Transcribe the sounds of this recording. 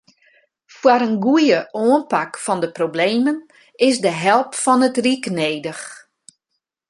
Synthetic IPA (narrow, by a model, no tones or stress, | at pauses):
fwaɾənɡujəʔoənpakfɔndəprobleːmən | ɪsdəɦɛlˠpfɔnətrikneːdəx